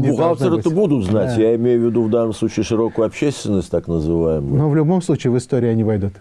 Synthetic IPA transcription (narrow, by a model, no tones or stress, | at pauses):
bʊɣalˠt̪əɾɛt̪əbud̪ʊt̪znatʲjaɪmʲejʊvʲːɪd̪uvd̪anːəmslˠut͡ɕɪːʂɨɾo̞kʊjʊɐpɕːesʲt̪vʲɪnːəsʲtʲt̪aknəzɨvajɪməʊnovlʲʊbo̞mslˠut͡ɕɪːvɨst̪o̞ɾʲɪːɐnʲivɐjd̪ut̪